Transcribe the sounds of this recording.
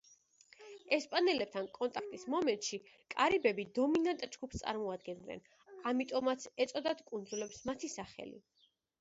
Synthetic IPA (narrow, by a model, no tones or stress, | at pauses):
ɛspʼanɛlɛp̚t̪ʰankʼɔnt̪ʼakʰt̪ʼismɔmɛnt̪ʼʃi | kʼaɾibɛbid̪ɔminant̪ʼd͡ʒɡupst̪sʼa̰ɾmɔad̪̚ɡɛnnɛ̰n | amit̪ʼɔmat̪sʰɛt̪sʼɔd̪at̪kʼund̪zulɛpsmat̪ʰisaχɛ̰lḭ